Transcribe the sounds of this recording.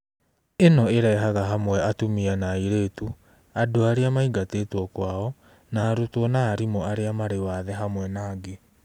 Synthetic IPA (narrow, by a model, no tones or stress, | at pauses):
enɔeɾɛɦaɣaɦamwɛatomianaiɾeːtu | adoaɾeamaiɡateːtwɔkwaɔ | naːɾotɔnaːɾimɔaɾeamaɾewaðɛɦamwɛnaːɡe